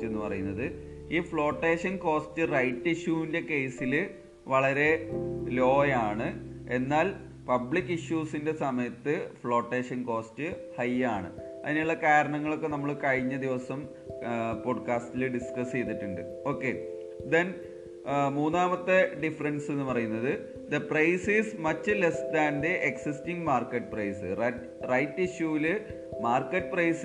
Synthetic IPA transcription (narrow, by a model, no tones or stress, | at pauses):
enːɨpɐrɐjunːɐðɨ | iːfɭo̞ːʈːe̞ːʂɐnko̞ːstɨrɐjtːiɕjuʋinde̞ke̞ːsil | ʋɐɭɐɾe̞lo̞ːjaːɳɨe̞nːaːl | pɐbɭikːiɕjuːsinde̞sɐmɐjɐt̪ːɨfɭo̞ːʈːe̞ːʂɐnko̞ːstɨhɐjaːɳɨɐ̰ðinejuɭːɐkaːɾɐɳɐŋːɐɭo̞kːe̞nɐmːɐɭkɐɻiɲːɐd̪iʋɐsɐm | po̞ːɖkaːstilɨɖiskɐst͡ɕe̞jt̪ːiʈːuɳɖɨ | o̞ːkːe̞ | d̪en | muːnːaːmɐt̪ːeɖifɐrɐnse̞nːɨpɐrɐjunːɐðɨ | d̪ɐprɐjsiːsmɐtːɨlestd̪aːnd̪eʔeksistiŋɡmaːrkːɐʈːɨprɐjsɨrɐ | rɐjtːiɕjuʋilɨ | maːrkːɐʈːɨprɐjs